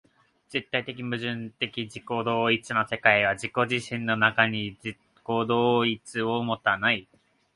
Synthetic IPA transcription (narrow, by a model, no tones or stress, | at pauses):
d͡z̥e̞t̪ːait̪e̞k̬ʲimɯ̟ʑɨ̃nt̪e̞kʲid͡ʑiko̞d̪o̞ːit͡sɨno̞se̞kaiβ̞ad͡ʑiko̞ʑiɕĩnːo̞nakaɲ̟ii | ko̞d̪oːit͡sɨo̞mo̞t̪ːanai